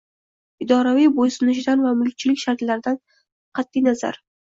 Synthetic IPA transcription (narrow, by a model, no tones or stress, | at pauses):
ɪd̪ɒɾavijbosʊnɪʃ̬ɪd̪anvamʊlˠk̚ʲt͡ʃʰɪlɪkʲʃaɾt̪laɾɪd̪an | qʰɑt̪ʰːijnaza̰ɾ